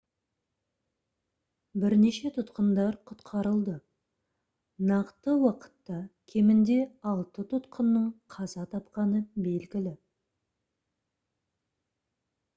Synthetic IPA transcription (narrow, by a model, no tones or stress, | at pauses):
bɪɾneʃe̞t̪ʰʊt̪qənd̪ɑɾqʰʊt̪qʰɑɾəlˠd̪ə | nɑqt̪əwɑqə̥t̪ːɑkʲʰe̞mɪnd̪e̞ɑlˠt̪ət̪ʰʊt̪qʰənːəɴqʰɑzɑt̪ʰɑpqɑnəbe̞lɡʲɪlɪ